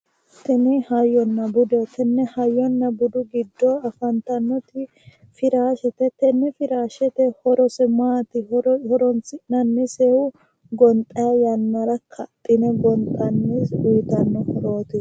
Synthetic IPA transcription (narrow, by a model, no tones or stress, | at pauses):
t̪ɛnɪhɐjɔnːɐbʊd̪ɛt̪ɛnːɛhɐjːɔnːɐbʊd̪ʊɡɪd̪ːɔɐfɐnt̪ɐnːɔt̪ɪ | fɪɾaːʃɛt̪ɛt̪ɛnːɛfɪɾaːʃɛt̪ɛhɔɾɔsɛmaːt̪ɪɾhɔɾɔnsɪnɐnːɛseːhʊ | ɡɔnt̪ʼːɐjɐjɐnːɐɾɐkʰɐt̪ʼːɪnɛɡɔnt̪ʼɐnːɛsuːt̪ɐnːɔhɔɾo̞ːt̪ɪ